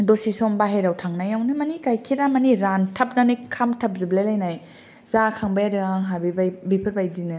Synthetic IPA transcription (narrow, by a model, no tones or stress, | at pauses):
dosisɔmbaɦeɾawtʰaŋnajawnɯmɐnikajkʰiɾamɐniɾantʰɐp̚nanikʰamtʰɐp̚ziblelajnaj | zakʰaŋbajaɾɯaŋɦabibajbipʰɯɾbajdinɯ